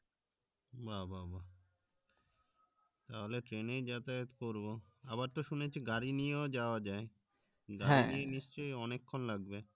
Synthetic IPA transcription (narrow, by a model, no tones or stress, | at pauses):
bababa | t̪aɦoleʈɾenejd͡ʑat̪aet̪koɾbo | abaɾt̪oʃunet͡ɕʰiɡaɾinieod͡ʑaoad͡ʑae | ɡaɾinieniʃt͡ɕojɔnekʰːonlaɡbe